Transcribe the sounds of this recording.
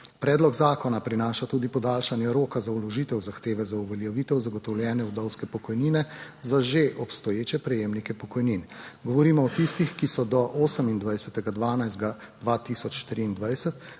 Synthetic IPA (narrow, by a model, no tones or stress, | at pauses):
pɾɛːd̪lɔɡzaːkɔnapɾinaːʃat̪uːd̪ipɔd̪aːlʃanjɛɾoːkazaulɔʒit̪ɛwzaxt̪eːʋɛzauʋɛljɛʋiːt̪ɛwzaɡɔt̪ɔwljɛːnɛud̪ɔwskɛpɔkɔjniːnɛzaʒeʔɔpst̪ɔjeːt͡ʃɛpɾɛjeːmnikɛpɔkɔjninɡɔʋɔɾiːmɔɔt̪ist̪ixkisɔd̪ɔʔoːsəmind̪ʋajsɛt̪ɛɡad̪ʋaːnajzd̪ɡad̪ʋat̪isɔt͡ʃt̪ɾiːnd̪ʋajsɛt̪